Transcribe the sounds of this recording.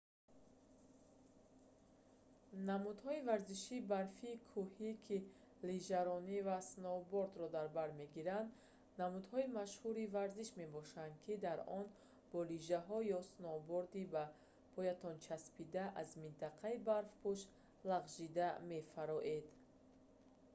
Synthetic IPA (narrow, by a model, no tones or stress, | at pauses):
namud̪hɔivaɾziʃiːbaɾfiːkʰuhikʰi | liʒaɾɔnivasnɔboɾd̪ɾɔd̪aɾbaɾme̞ɡiɾand̪ | namud̪hɔimaʃhuɾivaɾziʃme̞bɔʃand̪̚kʰid̪aɾɔn | b̥ɔliʒaɦɔjɔsnɔboɾd̪iba | pʰɔjat̪ɔnt͡ʃʰaspid̪aʔazmint̪ʰaqʰaibaɾfpʰuʃ | laʁʒid̪ame̞faɾɔʔe̞d̪